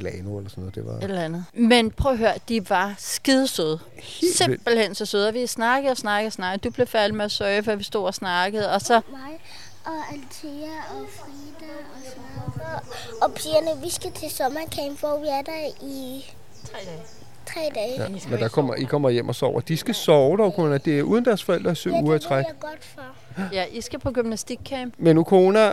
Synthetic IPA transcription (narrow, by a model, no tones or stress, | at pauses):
lɛːnoelɐsɔnːɔð̩ˠd̥e̝ʋɑ̈ed̥lænð̩ˠmenpʰœːɐɦøɐ̰d̥iʋɑ̈sɡ̥iðˠsøð̞ˠ | se̝b̥l̩hen̰sɒ̽søð̞ˠɒʋisnɑ̈ɡ̥ð̩ˠɒ̽snɑ̈ɡ̥əð̩ˠsnɑ̈ɡd̥ub̥le̝fælmeæsœɪfɶɐʋisd̥o̝̰ːɒsnɑ̈ɡ̥əð̞̩ˠɒ̽sɒ̽mɑɪ | ʔɒ̽ælt͡sʰiːæɒfʁiːd̥æ | ɒsnˠ | ɒ̽pʰiɐnəʋisɡ̥æt͡sʰe̝sɒ̽mɐkʰɛmb̥ʋɒʋiæɐd̥æi | t͡sʰʁɛːd̥ɛːmend̥ɑ̈kʰɒm̰ɐikʰɒ̽m̰ɐjem̰ʔɒsɒ̰ʊ̰ɐd̥isɡ̥æsɒʊd̥ɒʊkʰoːnæd̥e̝æɐʔuːðˠnd̥æɐsfɒ̽el̰d̥ʁɐsø̰uːɐæt͡sʰʁaɡ̥ɒd̥fɒ | jæʔisɡ̥æpʰɒ̽ɡ̥ymnæsd̥iɡ̥̚kʰɛmb̥menːukʰoːnæ